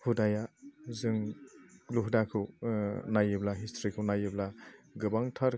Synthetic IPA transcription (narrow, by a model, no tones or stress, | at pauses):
hudajazɯŋ | luɦudakʰɯwnajɯblaɦistʰɾikʰɯwnajɯblaɡɯbaŋtʰaɾ